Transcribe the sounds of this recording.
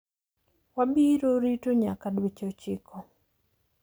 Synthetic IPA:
wabiɾoɾitoɲakadwet͡ʃot͡ʃɪ̰kʰɔ

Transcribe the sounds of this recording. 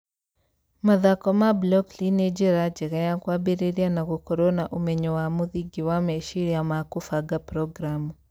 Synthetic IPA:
maðakɔmablɔklinɛd͡ʒɛɾad͡ʒɛɣɛjakwabɛɾɛɾianaɣukɔɾɔnaʔumɛɲɔwamuðiɡiwamɛʃiɾijamakufaɡapɾɔɡɾamu

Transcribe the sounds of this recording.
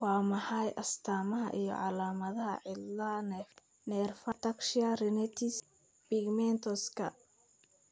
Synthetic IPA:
wɑːmɐħɑjʔɐst̪ʰaːmɐɦɐ̰ʔijɔ̰ʕɑlaːmɐðɐɦɐ̰ʕɪlɐn | nɛrfɐt̪ɐkʃiɐrɪnɛt̪ʰis | bɪɡmɛnt̪ʰɔskʰɐ̰

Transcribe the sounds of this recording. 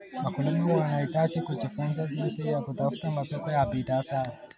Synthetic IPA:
makulimuwanaitat͡ʃikud͡ʒifunzad͡ʒinsijakutafu̥tamasɔkɔjapitasaa

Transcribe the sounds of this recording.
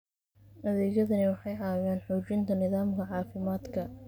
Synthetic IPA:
nɐðiːjɐðɐnɪwɑħɑjɐːɣaːnħʊt͡ʃɪnt̪ʰɐnɪðaːmkʰɐʕɑːfɪmaːd̪kʰɐ

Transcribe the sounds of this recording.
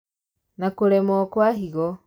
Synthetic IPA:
nakoɾɛmɔkwaɦiɣɔ

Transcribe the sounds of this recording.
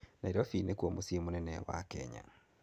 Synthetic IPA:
naiɾɔfinekwomosemonɛnɛwa̰kɛ̰ɲa̰

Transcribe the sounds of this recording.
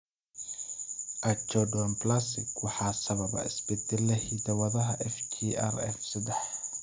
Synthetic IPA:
ʔɐt͡ʃɔɖɔnplasɪkwɑħɑːsɐβɐbɐ̰ɪ̰sbɛd̪ɛlɛhid̪ɐwɐðɐɦɐʔɛft͡ʃʰia̰rɛ̰fsɐd̪ɛħ

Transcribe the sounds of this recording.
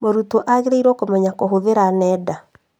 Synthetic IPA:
moɾutoʔaɣeɾeiɾwɔkomɛɲakoɦoðeɾanɛːda

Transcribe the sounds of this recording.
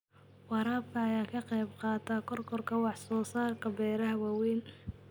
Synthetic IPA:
wɑɾaːbkɐːjaːkʰɐqɛjbqɑːt̪ʰakʰɔrkʰɔrkʰɐwɑħsɔːsaːrkʰɐbɛːɾɐɦɐwɑwɛːn

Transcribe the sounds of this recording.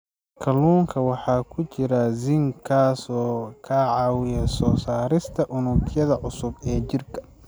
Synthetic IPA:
kʰɐluːŋkʰɐwɑħɑːkʰʊt͡ʃɪɾɐzɪŋkʰaːsɔːkʰaːʕɑːwɪjɐsɔːsaːɾɪst̪ʰɐʔʊnʊkjɐðɐʕʊsʊbɛːt͡ʃɪrkʰɐ̥

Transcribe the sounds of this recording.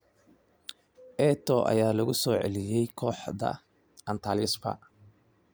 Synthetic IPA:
ʔɛt̪ʰɔʔɐ̰jaːlɐɣʊsɔːʕɛ̰lɪjɛjkʰɔːħd̪ɐ̰ | ʔɐnt̪ʰalɪsfɐ̰

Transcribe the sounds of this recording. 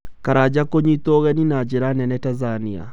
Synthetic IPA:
kaɾad͡ʑakoɲitoɣɛninad͡ʑeɾanɛnɛtazania̰

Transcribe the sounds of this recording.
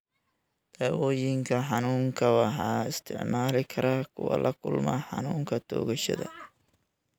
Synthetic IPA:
d̪̥aːwɔːjɪŋkʰɐħɑnuːŋkʰɐwɑħɑːɪst̪ʰɪ̰ʕmaːlɪkʰɐɾɐkʰʊwɐ̰lʔɐkʰʊlmɐ̰ħɑ̰nuːŋkʰɐt̪ʰɔ̰ːɣɐʃɐ̰ðɐ̰

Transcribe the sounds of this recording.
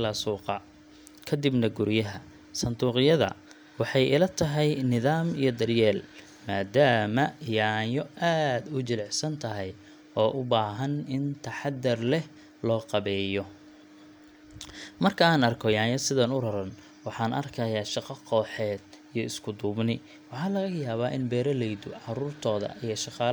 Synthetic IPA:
lɐsuːqɑ | kʰɐd̪ɪbnɐɡʊɾjɐɦɐ | sɐnd̪uːqɪjɐðɐ̰ | wɑħɑjʔɪlɐt̪ʰɐɦɛjnɪðaːmijɞd̪ɐrjɛːl | maːd̪aːmɐjaːjɔʔaːd̪ʊt͡ʃɪlɛħsɐnt̪ʰɐɦɛj | ɔːʔʊbaːɦɐnɪnt̪ʰɐħɑd̪ɐrlɛh | lɔːqɑβɛːjɔ | mɐrkʰɐaːnɐrkʰɔjaːjɐsɪðɐnʊrɐɾɐn | wɑħɑːnʔɐ̰rkʰɐjaːʃɑqɑqʰɔːħɛːd̪̥̚ | ijɔɪskʰʊd̪uːbnɪ | wɑħɑːlɐɣɐjaːβaːʔɪnbɛːɾɐlɛjd̪ʊʕɑɾuːrt̪ʰɔːðɐ̰ʔijɐʃɑqɑːl

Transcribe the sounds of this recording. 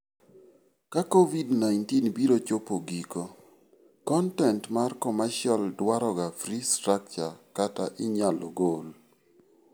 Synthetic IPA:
kakovidnajntinbiɾot͡ʃopoɡiko | kɔntɛntmarkɔmaʃjɔldwaɾɔɡafɾistɾak̚t͡ʃakata̰ʔɪɲalɔɡol

